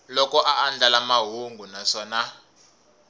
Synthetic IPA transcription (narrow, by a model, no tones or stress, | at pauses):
lɔkɔʔaːnd͡ɮʱalamaɦuŋɡʱunaʂɔːna